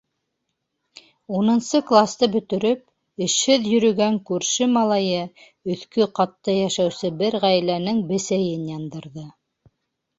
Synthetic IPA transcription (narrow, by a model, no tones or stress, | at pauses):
unɤ̆nsɤklˠast̪ɤbɵ̆t̪ɵ̆ɾɵp̚ | ɘ̆ʃhɘðjɵ̆ɾɵ̆ɡæŋkʉɾʃɘmɑlˠɑjɤ | ɵ̆θkɵqɑt̪ːɤjæʃæwsɘbɘɾʁæjlænɘŋbɘ̆sæjɘnjɑnd̪ɤ̆ɾðɤ